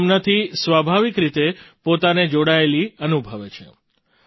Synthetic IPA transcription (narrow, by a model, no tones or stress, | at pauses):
mnət̪ʰisʋabʱaʋikɾit̪epot̪aned͡ʒoɽaeliənubʱəʋet͡ʃʰḛ